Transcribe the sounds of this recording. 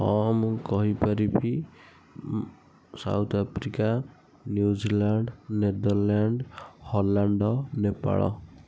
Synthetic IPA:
ɔmkɔɦipaɾibi | sa̰wt̪ʰapʰɾika | njud͡ʒilaɳɖned̪ɔɾlaɳɖhɔlaɳɖɔnepa̰ɭɔ̰

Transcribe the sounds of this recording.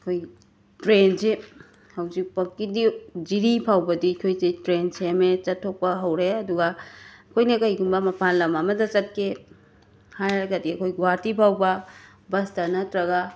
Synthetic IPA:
ɐkʰoj | tɾense | hɐwzik̚pɐkːidid͡ʒiɾipʰawbɐdikʰojsetɾensemet͡ʃɐtʰːok̚pɐɦɐwɾeɐduɡɐɐkʰojnɐkɐjɡumbɐmɐpʰanlɐmɐmɐdɐt͡ʃɐt̚kʰe | hajɾɐɡɐdiɐkʰojɡwaɾtipʰawbɐ | bɐstɐnɐtɾɐɡa

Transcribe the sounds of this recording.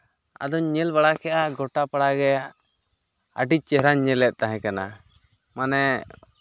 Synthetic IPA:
a̰d̪ɔɲɛlbaɽakʰɛʔaɡɔʈapaɽaɡɛa | ə̰ɖic̚ˀt͡ʃɛɦɾaɲɲɛlɛt̪̚ˀt̪aɦɛ̃kana̰ | manɛ

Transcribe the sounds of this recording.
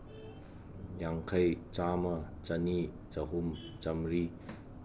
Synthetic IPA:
jaŋkʰɐjt͡ʃaːmɐt͡ʃɐni | t͡ʃɐɦumt͡ʃɐmɾi

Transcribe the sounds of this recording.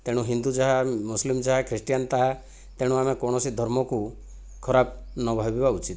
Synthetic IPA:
t̪eɽ̃ũɦind̪ud͡ʒaɦamuslimd͡ʒaɦakʰɾisʈijant̪aɦa | t̪eɽ̃ũamekɔɽ̃ɔsid̪ʱɔɾmɔku | kʰɔɾab̚nɔbʱabibaut͡ʃit̪

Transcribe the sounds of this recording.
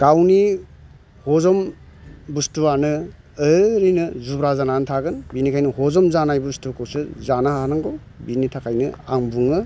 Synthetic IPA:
ɡ̥awni | hɔzɔm | bustuanɯː | ɾinɯzubɾazanantʰaɡɯnbinikʰajnɯhɔzɔmzanajbustukʰowsɯzanaɦnaŋɡow | binitʰakʰajnɯaŋbuŋɯ

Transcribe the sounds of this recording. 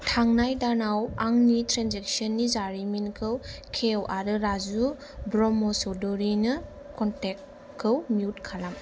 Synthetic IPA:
tʰaŋnajdanawaŋnitɾanzek̚sɔnːizaɾiminkʰɯwkʰewʔaɾɯɾazu | bɾɔmɔsɔdɔɾinɯ | kʰɔntek̚ | kʰːɯwmiutkʰalam

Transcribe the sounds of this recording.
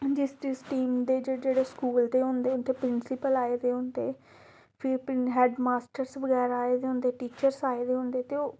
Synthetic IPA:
d͡ʒɪstɪsʈiːmd̪eːd͡ʒed͡ʒeːɽeːskuːlt̪eːɦʊ̃nd̪eːʊt̪eːpɾɪnsɪpəlaːeːd̪eːɦʊ̃nd̪ḛː | pʰɪɾpɦɛːɖmaːsʈəɾsʋəɡɛːɾaːeːd̪eːɦʊ̃nd̪eːʈiːt͡ʃəɾsaːeːd̪eːɦʊ̃nd̪eːt̪eːoː

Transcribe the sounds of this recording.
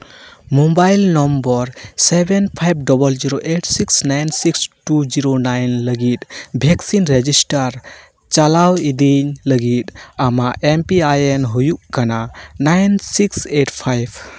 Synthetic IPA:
mobajlnɔmbɔɾsebʱɛnpʰajb̚ʱɖɔbɔld͡ʒiɾoʔeʈsiksnajnsiksʈud͡ʒiɾonajnləɡit̪̚bʱɛksinɾed͡ʒisʈaɾ | t͡ʃalawid̪iɲləɡit̪̚amaʔʔempiajɛnɦujuʔkananajnsikseʈpʰajb

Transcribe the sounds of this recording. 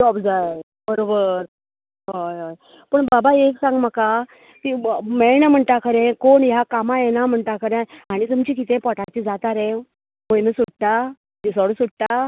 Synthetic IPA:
ɔbd͡zaj | bəɾobəɾ | ɦojɦoj | pəɳbabaeksãŋɡm̤əka | t̪imeɭɳəm̤əɳʈ̪akʰəɾẽkoɳjakamajenam̤əɳʈ̪akʰəɾẽaɽ̃it̪umt͡ɕik̬it̪ẽpɔʈʰat͡ɕid͡zat̪aɾẽ | məjnəsuɽt̪a | d̪isɔɽsuɽ̚t̪a

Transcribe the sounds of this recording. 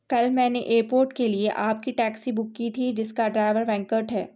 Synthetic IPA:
kɐlmɛ̃ːneʔeːɾpoːɾʈkelieʔaːp̚kiʈɛːksibʊkːit̪ʰid͡ʒɪskaɖɾaːɪʋəɾʋɛ̃ŋkəɾʈɦɛː

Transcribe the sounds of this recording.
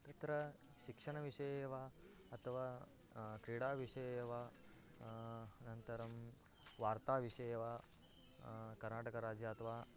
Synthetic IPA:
it̪ɾɐ | ʃikʂɐɳ̃ɐʋiʂɐjeʋa | ɐt̪ʰɐʋa | kɾiɽaʋiʂɐjʋa | nɐnt̪ɐɾɐm | ʋaːɾt̪aʋiʂɐjeʋa | kɐɾnaːʈɐkɐɾaːd͡ʒjɐɐt̪ʰɐʋa

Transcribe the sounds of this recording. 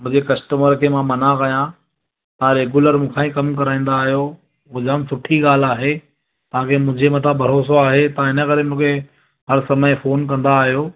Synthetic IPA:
mʊ̃ɦɪ̃ɲd͡ʑekɐsʈəməɾkʰemãmɐnãkɐjã | t̪ãɾeːɡuləɾmũːkʰãːĩkɐmkɐɾaːĩːn̆d̪aːɦijo | ɦʊd͡ʑaːmsʊʈʰiɠaːl̤aːɦe | t̪ɐʋ̤ɦãkʰemʊ̃ɦɪ̃d͡ʑʱemɐt̪ʰabʱɐɾoːsoaːɦet̪ɐãɦɪnə̆kɐɾemʊ̃ːkʰe | ɦɐɾsɐməjfoːnk̬ɐ̃nd̪aːɦijoː

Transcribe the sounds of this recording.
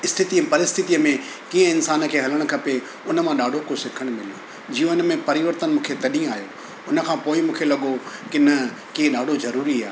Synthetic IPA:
ɪst̪ʰɪt̪iəpɐɾɪst̪ʰɪt̪iəmẽ | kĩːə̃ɪnsaːnkʰeːɦɐləɽ̃kʰɐpe | ʊnə̆mãɗaːɖʱokʰosɪkʰəɽ̃mɪlijo | d͡ʑijõɪnəmẽpɐɾɪʋəɾt̪ənmũːkʰet̪ɐɗĩaːjo | ʊnə̆kʰãːpoːɪmũːkʰelɐɠokɪnɐ | kiɦə̃ɗaːɖʱozɐɾuːɾiaː

